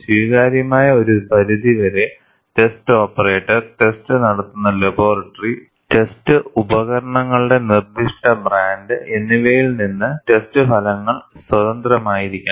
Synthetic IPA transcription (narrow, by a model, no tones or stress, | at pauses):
swiːɣaːɾjɐmaːjɐo̞ɾupɐɾuðiʋɐɾe̞ | te̞stɨo̞ːpːɐre̞ːʈːɐrʈe̞stɨnɐɽɐt̪ːunːɐlebo̞ːrɐʈːɐri | te̞stɨubɐɣɐɾɐɳɐŋːɐɭuɽe̞nird̪iʂʈɐbraːndɨʔenːiʋejilninːɨte̞stɨpʰɐlɐŋːɐɭswɐðɐnd̪rɐmaːjiɾikʲːu